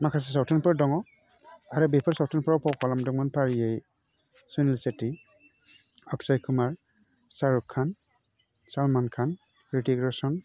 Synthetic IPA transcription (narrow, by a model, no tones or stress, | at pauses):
makʰas̬es̬awtʰinpɯɾdɔŋɔ | aɾɯbepʰɔɾsawtʰɯnpʰɔɾapʰɔkʰɔlamdɔŋmanpʰaɾijej | sunilseti | ɔksajkʰumaɹ | saɾukʰːan | salmankʰan | kɾitiɡɾasɔn